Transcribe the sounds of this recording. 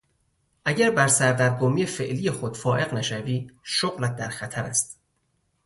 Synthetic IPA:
ʔæɟæɾbæɾsæɾd̪æɾɡomiːjefe̞ʔliːjexod̪̥fɒːʔe̞ɣnæʃæviːʃoɣlæt̪̚d̪æɾxæt̪ʰæɾæ̰st̪

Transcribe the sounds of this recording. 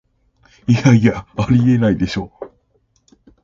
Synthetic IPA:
ijaiaaɾʲie̞naid̪e̞ɕo̞ː

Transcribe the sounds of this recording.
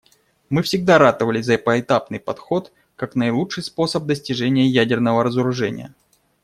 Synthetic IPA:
mɨfsʲɪɡd̪aɾat̪əvəlʲɪzəpəɪt̪apnɨjpɐt̪xo̞t̪ | kaknəjlˠutʂɨjspo̞səp̚d̪əsʲtʲɪʐɛnʲɪjəjædʲɪrnəvəɾəzəɾʊʐɛnʲɪ̰jə̰

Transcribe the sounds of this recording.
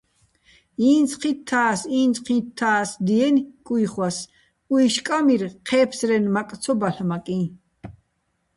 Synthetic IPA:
iːnt͡sqʰit̪ʰːaːsiːnt͡sʼqʰĩt̪ʰːaːsd̪iɛnkʼujχwas | uiʃkʼamirqʰɛːpʰsɾɛnmak̪ʼt͡sʰɔbaɬmakʼĩ

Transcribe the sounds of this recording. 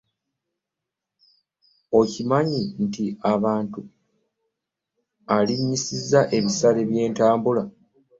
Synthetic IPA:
o̞cimaɲintiaβaːntu | aliɲːisizːaʔe̞βisaleβje̞ːntaːmbula

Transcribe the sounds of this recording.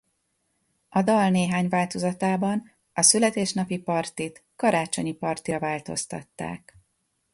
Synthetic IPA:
ɒd̪ɒlneːɦaːɲvaːlt̪o̞zɒt̪aːbɒn | ɒsylɛt̪eːʃnɒpipɒrt̪it̪kɒɾaːt͡ʃoɲipɒrt̪iɾɒvaːlt̪o̞̰st̪ɒ̰t̪ːa̰ːk

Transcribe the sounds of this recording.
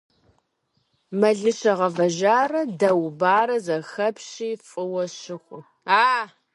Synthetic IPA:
mɐɮɨɕɐʁɐvɐʒaːrɐdɐwbaːrɐzɐxɐpʰɕiːfʼɨwɔɕɪxʷʊ | aː

